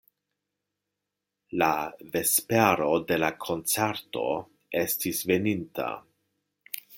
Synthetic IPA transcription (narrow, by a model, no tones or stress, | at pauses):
lave̞speɾo̞de̞lakʰo̞nt͡seɾto̞̰ | e̞stisve̞nintʰa̰